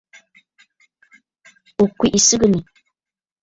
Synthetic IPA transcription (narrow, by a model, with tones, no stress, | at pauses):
u˨kʷːi˨ʔi˨sɨ˦ɡɨni˨